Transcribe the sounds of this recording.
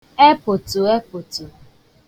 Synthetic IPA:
e˦pʊ˨tʊ˨e˦pʊ˨tʊ˨

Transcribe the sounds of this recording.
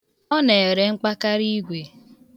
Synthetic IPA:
ɔ˦ne˨e˨ɾe˨ŋ͡m̩˦k͡pa˦ka˦ɾi˦ɡʷe˨

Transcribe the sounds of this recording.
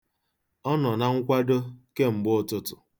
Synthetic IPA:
ɔ˦nɔ˨na˦ŋ̩˦kʷa˦do˦ke˦ŋ͡m̩˨ɡ͡bʊ˦˨tʊ˦tʊ˨

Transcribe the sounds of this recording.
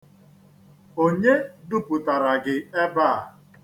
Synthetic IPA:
o˦ɲe˦du˦pʊ˨ta˨ɾa˨ɡɪ˨e˦ba˦˨

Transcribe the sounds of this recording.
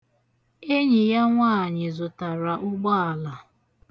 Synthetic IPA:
e˦ɲɪ˨ja˦ŋʷaː˦˨ɲɪ˨zʊ˨ta˨ɾa˨ʔʊ˦ɡ͡bɔ˦a˨la˨

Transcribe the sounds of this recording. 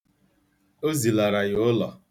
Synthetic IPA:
o˦zi˨la˨ɾa˨jʊ˦lɔ̰˨

